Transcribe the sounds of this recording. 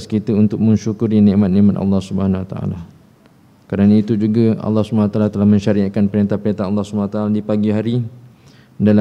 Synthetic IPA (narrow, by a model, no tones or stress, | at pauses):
skit̪əunt̪ʊk̚mə̃ɲʃukuɾinɛ̃ʔmat̪̚nɛ̃ʔmat̪a̰lːɑhsubəhanawat̪aa̰la | kadanait̪ud͡ʒuɡaɑ̰lːɑhsubɦanawat̪alat̪əlahmə̃ɲʃaɾiakanpəɾint̪ahpəɾint̪aalːɑhsubawat̪aaladipaɡiɦaɾi | dala